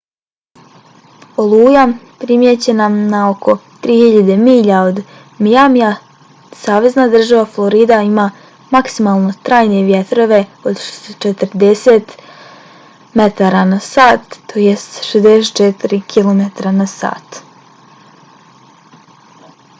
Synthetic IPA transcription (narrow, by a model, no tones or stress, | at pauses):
olˠuːjapɾimjet͡ɕe̞nanao̞kʰo̞t̪ɾiːhiʎad̪e̞miːʎao̞d̪ | mijamija | saːʋe̞znad̪r̩ʒaʋaflˠo̞ɾiːd̪aima | maksimalˠno̞t̪ɾaːjne̞ʋjet̪ɾo̞ʋe̞od̪ʃsot͡ʃet̪əɾd̪eset̪ | me̞t̪aɾanasaːt̪ːojest̪ʃezd̪eset̪t͡ʃet̪iɾikʰilˠomet̪ɾanasa̰ːt̪